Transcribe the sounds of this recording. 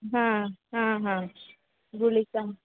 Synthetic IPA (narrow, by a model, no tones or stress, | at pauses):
ɦãɦãɦã | ɡulika